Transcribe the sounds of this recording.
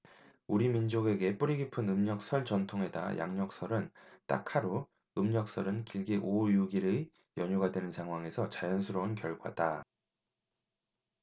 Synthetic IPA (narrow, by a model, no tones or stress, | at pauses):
uɾimind͡ʑoɡe̞ɡe̞p͈uɾiɡipʰɯnɯmɲʌk̚s͈ʰʌɭt͡ɕʌntʰoŋɦe̞da̰ja̰ŋɲʌk̚s͈ʰʌɾɯnt͈a̰kʰaɾo | ɯmɲʌk̚s͈ʌɾɯnkiɭɡiʔojuɡiɾɯ | jʌɲuɡadwe̞nɯnsʰaŋɦwaŋe̞sʰʌt͡ɕajʌnsʰuɾʌunkjʌɭɡwa̰d̥a